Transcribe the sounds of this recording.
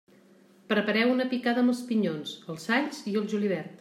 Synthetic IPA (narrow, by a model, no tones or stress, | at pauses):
pɾəpəɾɛwunəpikaðəməspiɲonsəlˠsaʎziəlˠʒuliβ̞ɛɾt̪